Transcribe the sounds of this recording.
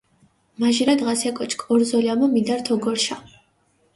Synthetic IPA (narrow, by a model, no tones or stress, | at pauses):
maʒiɾad̪ʁasiakʼɔt͡ʃʰkʼɔɾzɔliamɔmid̪aɾt̪ʰɔɡɔɾʃa